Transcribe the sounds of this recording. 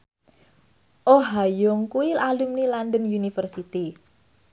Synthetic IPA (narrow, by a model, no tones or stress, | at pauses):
ʔoɦajʊŋkuilalumnilandənjunifərsit̪i